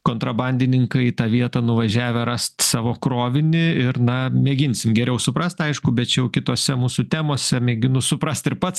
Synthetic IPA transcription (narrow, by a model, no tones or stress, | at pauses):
koːnt̪ɾɐbɐnʲd̪ʲɪnʲɪŋkɐɪt̪ɑːʋʲiɛt̪ɐnʊʋɐʒʲæːʋʲɛɾɐst̪sɑːʋoːkɾoːʋʲɪnʲɪɪrnɐmʲeːɡʲɪnʲsʲɪmɡʲɛɾʲɛʊsʊpɾɐst̪ɐɪʃkʊbʲɛt̪t͡ʃʲɛjɛʊkʲɪt̪oːsʲɛmuːsʊt̪ʲæːmoːsʲɛmʲɛːɡʲɪnʊsʊpɾɐst̪ɪɾpɐt̪s